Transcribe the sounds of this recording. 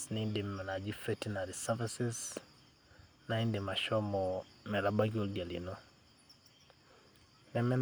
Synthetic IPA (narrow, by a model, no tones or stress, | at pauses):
niindimːanad͡ʒifɛtinaɾisavisis | naindimaʃɔmɔmɛlabaɡiolɡalḭno | nɛmɛn